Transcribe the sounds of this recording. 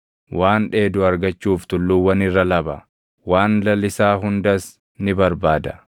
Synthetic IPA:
waːnᶑe̞ːd̪ʊɐɾɡɐt͡ʃːuːft̪ʊlːʊwːɐnɪrːɐlɐbɐ | waːnlɐlɪsaːɦʊnd̪ɐs | nɪbɐɾbaːd̪ɐ̥

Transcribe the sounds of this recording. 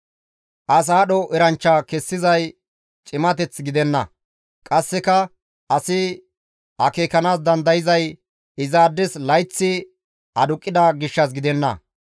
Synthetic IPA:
ʔɐs̬aːɗɔʔɛɾɐnt͡ʃːɐkɛsːɪzɐj | t͡ʃʼɪmɐt̪ɛt͡sɡɪd̪ɛnːɐ̰ | kʼɐsːɛkɐ | ɐsɪ | ɐkeːkɐnaːs̬d̪ɐnd̪ɐjɪzɐj | ɪzaːd̪ːɛslɐjt͡sːɪ | ɐd̪ʊkʼːɪd̪ɐɡɪʃːɐs̬ɡɪd̪ɛnːɐ̰

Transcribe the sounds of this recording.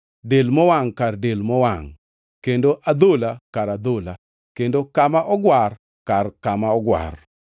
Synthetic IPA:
delmɔwaŋkardelmɔwaŋ | kendoʔad̪olakaɾad̪ola | kendokamaʔɔɡwar | karkamaɔɡwa̰r

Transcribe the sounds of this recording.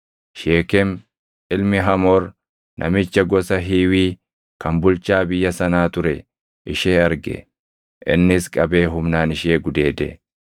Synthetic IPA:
ʃeːkɛm | ɪlmɪɦɐmoːɾ | nʔɐ̰mɪt͡ʃːɐɡɔsɐɦiːwiː | kɐmbʊlt͡ʃaːbɪjːɐsɐnaːt̪ʊɾɛ | ʔɪʃeːɐɾɡɛ̰ | ʔɪ̰nːɪskʼɐbe̞ːɦʊmnaːnɪʃe̞ːɡʊd̪e̞ːd̪ɛ̰

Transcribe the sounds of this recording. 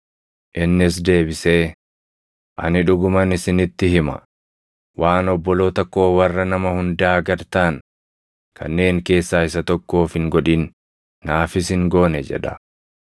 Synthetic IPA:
ʔɪnːɪs̬d̪e̞ːbɪseː | ʔɐ̰nɪᶑʊɡʊmɐnɪsɪnɪt̪ːɪhɪmɐ̰ | wʔaːnɔbːɔlo̞ːt̪ɐkːo̞ːwɐrːɐnɐmɐhʊnd̪aːɡɐɾt̪aːn | kʰɐ̰nːe̞ːŋke̞ːsːaːɪsɐt̪ɔkːo̞ːfɪŋɡɔᶑiːnː | aːfɪsɪŋɡo̞ːnɛd͡ʒɛ̰ᶑɐ̥

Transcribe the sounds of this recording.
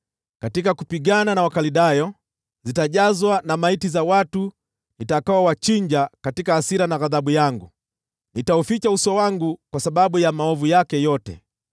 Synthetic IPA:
katikakupiɡananawakaliɗajɔ | zitaʄazwanamaitizawatu | nitakawawat͡ʃiɲd͡ʒakatikaːsiɾanaɣaðaɓujaŋɡu | nitaufit͡ʃausɔwaŋɡukwasaɓaɓujamaɔvujakɛjɔtɛ̰

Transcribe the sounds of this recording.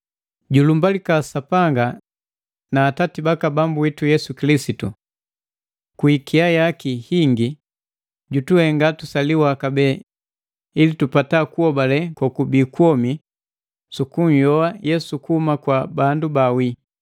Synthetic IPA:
ɟulumbalikasapaŋɡa | naːtatibakabambuwitujɛsukilisitṵ | kwikʰiajakihiŋɡi | ɟutuhɛŋɡatusaliwakabɛ | ilitupatakuɔbalɛkɔkubikwɔmi | sukuɲ̩jɔajɛsukuhumakwabandubawi

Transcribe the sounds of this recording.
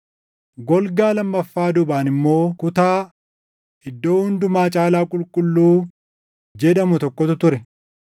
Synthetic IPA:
ɡɔlɡaːlɐmːɐfːaːd̪ʊbaːnɪmːo̞ːkʊt̪aː | ɪd̪ːo̞ːhʊnd̪ʊmaːt͡ʃʼaːlaːkʼʊlkʼʊlːuː | d͡ʒɛᶑɐmʊt̪ɔkːɔt̪ʊt̪ʊɾɛ

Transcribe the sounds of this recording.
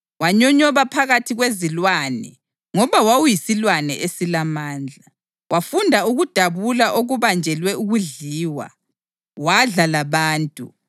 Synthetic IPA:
waɲɔɲɔβapʰaɣatʰiɣwezilwanɛ̰ | ŋɔβawawujisilwanɛ̰ʔesilamaːnd͡ɮʱa | wʔafundʱauɣud̥ʱaβulaʔoɣuβand͡ʒʱɛlwɛuɣuɮiːwa̰ | waɮalaβaːntʼu

